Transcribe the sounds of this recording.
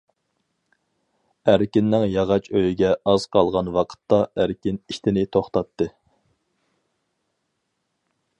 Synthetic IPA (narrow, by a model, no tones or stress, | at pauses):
æɾkʲinːɪŋjɑʁɑt͡ʃʰøjiɡʲɛʔɑz̥qʰɑlˠʁɑnwɑqʰə̥t̪ːɑʔæɾkʲiniʃt̪ʰɪnɪt̪ʰoχt̪ɑt̪ːɨ